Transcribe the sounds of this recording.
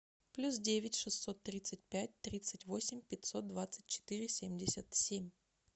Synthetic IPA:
plʲus̬dʲevʲɪtʲʂɨsːo̞t̪ːɾʲit̪sɨt̚ʲpʲæt̚ʲt̪ɾʲit̪sɨtʲvo̞sʲɪmʲpʲɪtʲso̞t̪̚d̪vat̪sɨ̥t̚ʲt͡ɕːɪ̥t̪ɨɾʲɪsʲemʲdʲɪsʲət̪sʲemʲ

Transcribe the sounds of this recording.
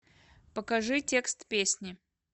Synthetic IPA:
pəkɐʐɨtʲe̞kst̪pʲesʲnʲɪ

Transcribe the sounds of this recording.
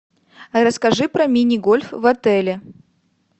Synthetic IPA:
ɾəskɐʐɨpɾɐmʲinʲɪɡolʲfvɐt̪ɛlʲɪ

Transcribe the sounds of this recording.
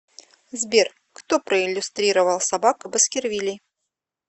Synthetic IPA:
zbʲer | kt̪opɾəɪlʲːʊst̪ɾʲiɾəvəlˠsabakəbəskʲɪrvʲilʲɪj

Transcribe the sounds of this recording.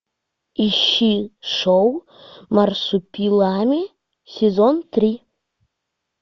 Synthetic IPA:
iʃːiʂow | marsupʲilˠamʲe | sʲezont̪ɾʲi

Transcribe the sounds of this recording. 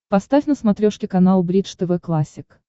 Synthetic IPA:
pɐst̪afʲnəsmɐt̪ɾʲoʂkʲɪkɐnalˠbɾʲit̪ʂt̪ɛvɛklˠasʲːɪk

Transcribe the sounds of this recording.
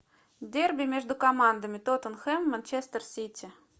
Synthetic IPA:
d̪ʲerbʲimʲeʒd̪ukamɑnd̪əmʲit̪ot̪ənxemːanʲt͡ɕest̪ərsʲit̪ʲi

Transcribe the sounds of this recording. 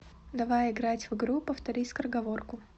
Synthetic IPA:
d̪ɐvajɪɡɾatʲvɨɡɾupəft̪ɐɾʲisʲkrəɡɐvorkʊ

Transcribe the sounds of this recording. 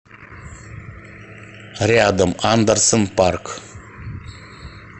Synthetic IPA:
ɾead̪əmaːnd̪əɾsənpaɾk

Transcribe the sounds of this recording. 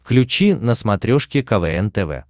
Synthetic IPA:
fklʲʉt͡ɕinəsmɐt̪ɾʲoʂkʲɪkɐvɛɛnt̪ɛvɛ̰

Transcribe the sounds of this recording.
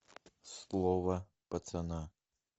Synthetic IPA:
slˠɔvɐ | pɐt̪sɐna

